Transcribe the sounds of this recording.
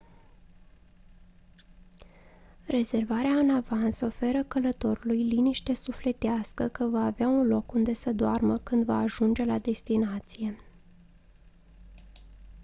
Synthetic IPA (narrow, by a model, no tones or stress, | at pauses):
re̞ze̞rvaɾeaɨnavanso̞fe̞ɾəkələt̪o̞ɾulujliniʃt̪e̞sufle̞t̪easkəkəvaːveaunlo̞kund̪e̞səd̪oarməkɨnd̪va̰ːʒund͡ʒe̞lad̪e̞st̪inat̪sije̞